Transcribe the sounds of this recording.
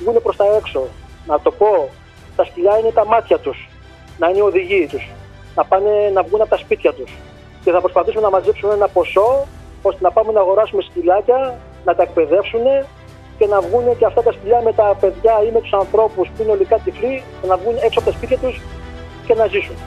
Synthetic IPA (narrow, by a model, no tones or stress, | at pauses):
vɣune̞pɾo̞st̪ɐe̞kso̞nɐt̪o̞po̞ | t̪ɐsciʎɐine̞t̪ɐmɐt̪çɐt̪us | nɐineio̞ðiʝiːt̪us | nɐpɐne̞nɐvɣunɐpot̪ɐspit̪çɐt̪us | ce̞θɐpɾospɐθisumenɐmɐzipsumeenɐpo̞so̞ | o̞st̪e̞nɐpɐme̞nɐːɣo̞ɾɐsumescilɐcɐ | nɐt̪ɐe̞k̚pe̞ðe̞fsune̞ | ce̞nɐvɣunot̪iɐft̪ɐt̪ɐsciʎɐme̞t̪ɐpe̞ðʝɐimet̪u̥sɐnθɾo̞puspuineo̞likɐt̪iflijɐnɐvɣuneksoɐpot̪ɐspit̪çɐt̪us | ce̞nɐzisune